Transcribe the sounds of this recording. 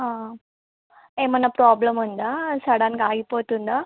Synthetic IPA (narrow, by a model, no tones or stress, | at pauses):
ɦã | emɐnːɐpɾaːbləmɐnd̪asɐɽankaːjipoːt̪und̪a